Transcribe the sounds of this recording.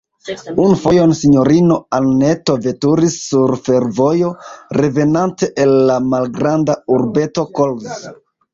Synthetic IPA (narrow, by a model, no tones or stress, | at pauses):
unfo̞jo̞nsiɲo̞ɾino̞alne̞to̞ve̞tuɾisːuɾfe̞ɾvojo̞ɾe̞ve̞nante̞ʔelːamalɡɾandauɾbe̞to̞kolz